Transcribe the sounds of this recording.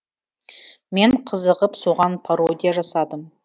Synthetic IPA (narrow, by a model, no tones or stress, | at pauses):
me̞ɴqʰəzəʁəpso̞ʁɑnpʰaɾo̞d̪ʲijaʒɑsɑd̪əm